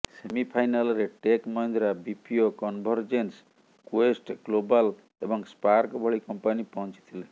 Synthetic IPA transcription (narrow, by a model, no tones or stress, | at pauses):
semipʰajnalɔɾeʈekmɔjnd̪ɾabipʰiokɔnbʱɔɾd͡ʒens | kwesʈɡ̥lobal | ebɔŋspaɾkbʱɔɭikɔmpanipɔɦɔ̃nt͡ʃi̥t̪ʰile